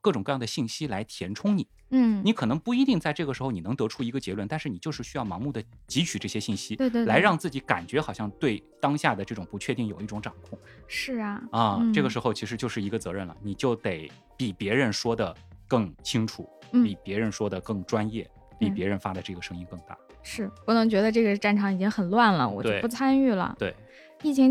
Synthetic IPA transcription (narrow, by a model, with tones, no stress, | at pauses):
kɤ˥˩ʈ͡ʂʊ˨ŋkɤ˥˧jɑ˥˩ŋd̪ə˩ɕi˥˩nɕi˥la˧˥ɪt̪ʰjɛ˧˥nʈ͡ʂʰʊ˥ŋni˨˩˦ni˧˥kʰɤ˨˩nɤ˧˥ŋpu˥˧i˧˥t̪i˥˧ŋt͡sa˥˧ɪʈ͡ʂɤ˥˩ɡə˩ʂɻ̩˧xo˧ʊni˨˩nɤ˧˥ŋt̪ɤ˧˥ʈ͡ʂʰu˥i˧˥ɡə˧t͡ɕjɛ˧˥lwə˥˧nt̪a˥˧nʂɻ̩˥˩i˨˩jo˥˧ʊʂɻ̩˥˩ɕy˥jɑ˥˩ʊmɑ˧˥ŋmu˥˩d̪ə˩t͡ɕi˧˥t͡ɕʰy˨˩ʈ͡ʂɤ˥˩ɕjɛ˥ɕi˥˩nɕi˥˧˥la˧˥ɪɻɑ˥˧ŋt͡sɹ̩˥˩t͡ɕi˧˥ka̰˨˩nt͡ɕɥɛ˧˥xɑ˨˩ʊɕjɑ˥˧ŋt̪we˥˩ɪt̪ɑ˥ŋɕja˥˩d̪ə˩ʈ͡ʂɤ˥˩ʈ͡ʂʊ˨˩ŋpu˧˥t͡ɕʰɥɛ˥˧t̪i˥˩ŋjo˨˩ʊi˥˩ʈ͡ʂʊ˧˥ŋʈ͡ʂɑ˨˩ŋkʰʊ˥˩ŋ | ʂɻ̩˥˩ɐ˩ə˥˧˥ʈ͡ʂɤ˥˩ɡə˩ʂɻ̩˧˥xo˥˧ʊt͡ɕʰi˧˥ʂɻ̩˧˥t͡ɕjo˥˧ʊʂɻ̩˥˩i˧˥ɡə˧t͡sɤ˧˥ɻə˥˩nlə̰˩ni˨˩t͡ɕjo˥˩ʊt̪e˧˩ɪ | pi˨˩pjɛ˧˥ɻə˧˥nʂwɔ˥d̪ə˨kɤ˥˩ŋt͡ɕʰi˥ŋʈ͡ʂʰu˨˩˦pi˨˩pjɛ˧˥ɻə˧˥nʂwɔ˥d̪ə˨˩kɤ˥˩ŋʈ͡ʂwa˥njɛ˥˩ | pi˨˩pjɛ˧˥ɻə˧˥nfa˥d̪ə˨˧ʈ͡ʂɤ˥˩ɡə˩ʂɤ˥ŋi˥nkɤ˥˧ŋt̪a̰˥˩ | ʂɻ̩˥˩pu˥˩nɤ˧˥ŋt͡ɕɥɛ˧˥d̪ə˧ʈ͡ʂɤ˥˩ɡə˩ʈ͡ʂa˥˩nʈ͡ʂʰɑ˧˥ŋi˨˩t͡ɕi˥ŋxə˨˩nlwa˥˩nlə̰˩wɔ̰˨˩t͡ɕ̪we˥˩ɪ˩pu˥˩t͡sʰa˥ny˥˩lə̰˩t̪we˥˩ɪ | i˥˩t͡ɕʰi˧˥ŋ